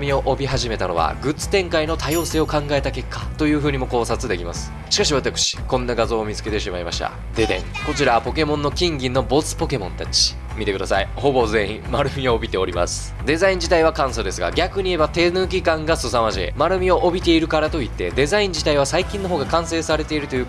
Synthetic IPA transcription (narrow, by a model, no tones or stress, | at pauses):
mʲio̞ʔobʲiɦaʑime̞t̪ano̞βa̰ɡɯ̟t͡sɨ̥t̪ẽ̞ŋkaino̞t̪ajo̞ːse̞ːo̞kãŋɡaet̪ake̞kʰːḁt̪o̞jɯ̟ːɸɯ̟ːɲ̟imo̞ko̞ːsat͡sɨd̪e̞kʲima̰sɨ̥ | ɕi̥kaɕ̬iβat̪akɯ̟̥ɕi̥kõ̞nːaɡazo̞ːmʲit͡sɨ̥ke̞t̪e̞ɕimaima̰ɕi̥t̪a̰ | d̪e̞d̪ẽ̞̰ŋko̞t͡ɕiɾapo̞ke̞mõ̞nːo̞kʲĩŋɡʲĩnːo̞bo̞t͡sɨ̥po̞ke̞mõ̞nt̪at͡ɕi̥ | mʲit̪ekɯ̟d̪asaiho̞bo̞zẽ̞ĩ | maɾɯ̟mʲioːbʲit̪e̞oɾʲima̰sɨ̥ | d̪e̞zaĩɲ̟d͡ʑit̪aiβakãɰ̃sod̪e̞sɨɡa̰ɡʲakɯ̟ɲ̟ie̞bat̪e̞nɯːk̬ʲikãŋɡasɨsamaʑiḛmaɾɯ̟mʲio̞ʔobʲit̪e̞iɾɯ̟kaɾat̪o̞it̪ːe̞d̪e̞zaĩɲ̟d͡ʑit̪aiβ̞asaikʲĩnːo̞ɦo̞ːɡakãɰ̃se̞ːsaɾe̞t̪e̞iɾɯ̟t̪o̞jɯ̟